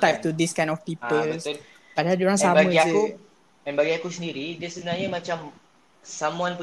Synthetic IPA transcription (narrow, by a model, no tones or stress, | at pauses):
t̪ak̚t̪ud̪iskãj̃nɔfpipəlbəsol | padaɦald͡ʒɔɾãŋsabmauiaku | ɛnbaɡiakusəndiɾidiasəbənaɲamat͡ʃam | samuãnpə